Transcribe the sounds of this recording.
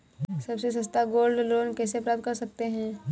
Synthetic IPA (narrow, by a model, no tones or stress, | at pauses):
sɐbses̬ɐ̃st̪aɡoːlɖlɾoːnkɛːsepɾaːp̚t̪̚kɐɾsɐk̚t̪eɦɛ̃ː